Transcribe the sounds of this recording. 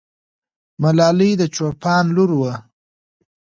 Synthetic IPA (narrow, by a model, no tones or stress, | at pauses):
malɑlid̪ət͡ʃoɾpɑːnluɾwə